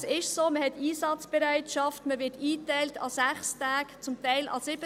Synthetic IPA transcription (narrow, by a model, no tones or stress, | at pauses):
sɪʃsoːməhɛtiːsɑt͡sb̥ɛɾæɪtʃɑftməʋɪtiːtæɪltʰɑ̰sæχstæːkt͡sʊmtɛɪlʔɑ̰sɪb̥ə